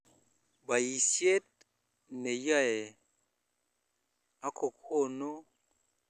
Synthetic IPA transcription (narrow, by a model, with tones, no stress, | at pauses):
ba˨ji˨sje˦t̚ | ne˨ja˦˨e˨ | a˦kʰo˨ko˦˨no˦